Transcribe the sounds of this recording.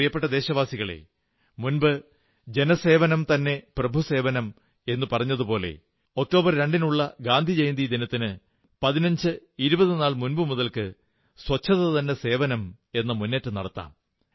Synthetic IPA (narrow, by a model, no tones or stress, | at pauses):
ijɐpːe̞ʈːɐd̪eːɕɐʋaːsiɣɐɭḛ | munbɨ | d͡ʑe̞nɐse̞ːʋɐnɐmt̪ɐnːe̞prɐbʱuse̞ːʋɐnɐm | e̞nːɨpɐrɐɲːɐðupo̞ːle̞̰ | o̞k̚ʈo̞ːbɐrɾe̞ɳɖinuɭːɐɡaːnd̪ʱid͡ʑejnd̪id̪inɐt̪ːinɨ | pɐðinɐɲd͡ʑɨiɾubɐðinaːɭmunbɨmuðɐlkɨ | swɐt͡ɕʰːɐðɐt̪ɐnːe̞se̞ːʋɐnɐm | e̞nːɐmunːeːtːɨnɐɽɐt̪ːa̰ːm